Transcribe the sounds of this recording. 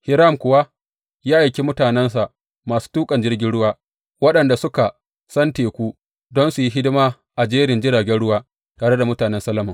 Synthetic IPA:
hɪ˨ɾa˦˨mkʷʊ˨wa˦ | jaː˦ʔa˨kʲi˦mʊ˦taː˨nɛ˦ns̬a˨ʔ | maː˨su̥˦tuː˦kʼɐ˨nd͡ʒɪ˦rɡʲɪ˦nɽʊ˦waː˦ | wɐ˦ɗɐ˨nda˨sʊ˦ka˨ | sɐ˦nteː˨kʷu˦ | dɔ˦nsu˨ji˦ɦɪ˦dɪ˦maː˦ | ʔa˨d͡ʒeː˦ɾɪ˨nd͡ʒɪ˦ɽaː˨ɡʲɛ˦nɽʊ˦waː˦ | taː˨ɽe˦da˨mʊ˦taː˨nɛ˦nsɐ˦lɐ˦mɐ˨ŋ

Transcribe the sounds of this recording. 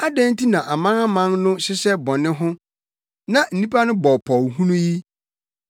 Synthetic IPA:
a˦dæ̃˦n˦tʰi˦nã˨ʔa˨mã˦na˦mã˦nnʊ̃˦ɕɪ˦sɛ˦bɔ˨nɪ̃˦ɦʊ̃˦ | nã˨n̩˨nĩ˦pʰa˦nʊ̃˦bɔ˨pʰɔ˨wɦũ˦nũ˦ji˦

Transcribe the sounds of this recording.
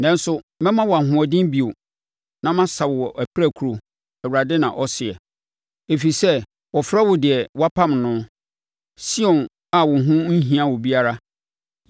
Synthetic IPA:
nɛ̃˦n˦sʊ˦mɛ̃˦mã˦wɔ˨a˨ɦʊ̃˨ɔ˨dĩ˦m˦bi˨o˨ | nã˦mã˦sa˨wwɔ˨ʔæ˨pʰɪ˦ɾæ˦˨kʰu˨ɾo˨ | æ˨wu˨ɾa˨dɪ˦nã̰˨ʔɔ˦sɪ˨ɛ˨ | e˨fi˨sɛ˦ | wɔ˨fɾa˦wɔ˨dɪ˨ɛ˨wa˦pʰã˦˨mnʊ̃˦ | si˦ɔ̃˨n | a˨wɔ̃˨ɦʊ̃˦n̩˦ɦĩ˦ã˦wɔ˨bi˦a˦ɾa˦

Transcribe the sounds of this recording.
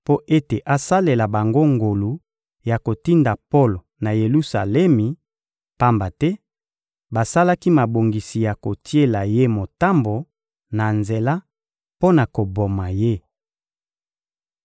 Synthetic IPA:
po˦ʔe˦te˨ʔa˨sa˦le˨la˨ba˨ŋɡo˦ŋɡo˨lu˨ | ja˨ko˨ti˦nda˨po˦lo˨na˨je˨lu˦sa˨lɛ˦mi˨ | pa˦mba˨tɛ˦ | ba˨sa˦la˦ki˦ma˨bo˨ŋɡi˨si˨ja˨ko˨ti˦e˦la˨je˦mo˨ta˦mbo˨ | na˨nze˨la˦ | po˦na˨ko˨bo˨ma˨je˦

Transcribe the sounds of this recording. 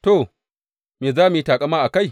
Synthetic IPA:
to˨ | meː˨zaː˦mi˨ji˦taː˨kʼa˦maː˦ʔa˨ka˦˨j

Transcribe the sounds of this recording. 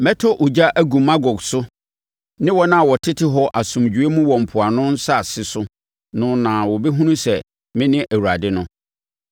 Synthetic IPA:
mɛ˦tʰɔ˦ʔʊ˨d͡ʑa˦ʔæ˦ɡũ˨mã˦ɡɔ˨ɡsʊ˦ | nɪ̃˦wɔ˦nã˦a˨wɔ˨tʰɪ˦tʰɪ˦ɦɔ˦ʔa˨sʊ̃˨md͡ʑᶣu˨e˦mũ˦wɔ̃˨m̩˨pʰʊ˨a˨nʊ̃˦n̩˦sa˦˨sɪ˦sʊ˦ | nʊ̃˦nã˨wɔ˨bɛ˦ɦũ˦nũ˦sɛ˨ | mɪ̃˦nɪ̃˦ʔæ˨wu˨ɾa˨dɪ˦nʊ̃˦

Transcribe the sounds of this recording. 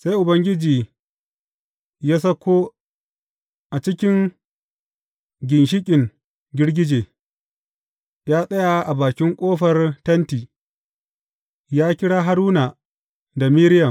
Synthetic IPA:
sa˦jʔʊ˨bɐ˦ŋɡʲɪ˦d͡ʒiː˨ | jaː˦s̬ɐ˦kʷoː˦ | ʔa˨t͡ʃɪ˦kʲɪ˦ŋ | ɡʲɪ˨nʃ̬ɪ˦kʲʼɪ˨ŋ | ɡʲɪ˦ɽɡʲɪ˦d͡ʒeː˨ | jaː˦sʼɐ˦ja˨ʔa˨baː˨kʲɪ˦ŋkʷʼoː˦ɸɐ˨rtɐ˦ntiː˨ | jaː˦kʲɪ˦ɽaː˦ɦa˦ɽuː˦na˨ | da˨miː˦ɾɪ˦jɐ˨m

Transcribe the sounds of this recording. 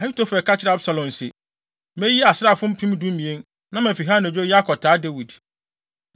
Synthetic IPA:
a˨˦tʰo˦fɛ˨kʰa˦t͡ɕʰɪɾa˦bsa˨lɔ̃˨n˨se˨ | mɛ̃˦ji˦a˨sɪ˦a˦˨fʊ̃˦m̩˦pʰĩ˦m˦dũ˦mĩ˨ẽ˦n | nã˦mã˨fi˨ɦa˦n˨d͡ʑᶣo˦ja˦kʰɔ˨tʰaː˨˦de˦wi˨d

